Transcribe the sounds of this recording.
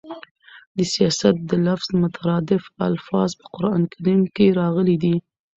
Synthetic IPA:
d̪əsijɑsat̪̚d̪əlafz̥mʊt̪ʰaɾɑd̪ɪfa̰lfɑzpə̥qʊɾɑnkʰaɾimkeɾɑɣəlid̪i

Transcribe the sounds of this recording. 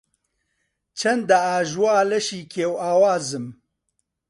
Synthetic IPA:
t͡ʃʰɐnd̪aaːʒwaːlɛʃiːkʰeːwaːwaːzɨm

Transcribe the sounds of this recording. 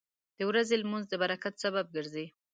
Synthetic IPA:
d̪̥əwɾazelmunzd̪əbaɾakat̪sabab̚ɡəɾze

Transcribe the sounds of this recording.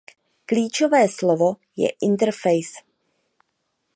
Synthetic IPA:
kliːt͡ʃovɛːslovojɛ̰ʔɪnt̪ɛɾfɛjs

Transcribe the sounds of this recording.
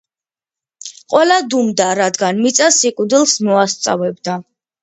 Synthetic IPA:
qʼwɛlad̪umd̪aɾad̪ɡanmit̪sʼasikʼud̪ilˠsmɔast̪sʼa̰vɛbd̪a

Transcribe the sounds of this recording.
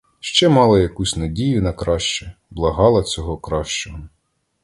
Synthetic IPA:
ʃt͡ʃɛmɑlˠɐjɐkusʲnɐdʲijʊnɐkɾɑʃt͡ʃɛblˠɐɦɑlˠɐt͡sʲɔɦɔkɾɑʃt͡ʃɔɔ

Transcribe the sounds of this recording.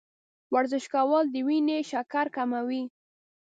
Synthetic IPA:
waɾzɪʃkawɑld̪əwineʃakaɾkamawi

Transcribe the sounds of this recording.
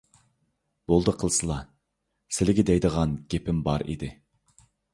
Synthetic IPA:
b̥olˠd̪əqʰəlˠsɨlˠɑ | sɪlɪɡʲɪd̪ɛjd̪əʁɑnɡʲepʰɪmbɑɾḭd̪ɪ

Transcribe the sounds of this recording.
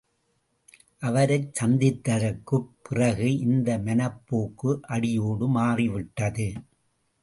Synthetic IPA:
ʔɐʋɐɾɐɪt͡ʃɐnd̪ɪt̪ːɐɾɐkːɯpːɪrɐɣɯʔɪnd̪ɐmɐnɐpːoːkːɯʔɐɽɪjoːɽɯmaːriʋɪʈːɐðɯ

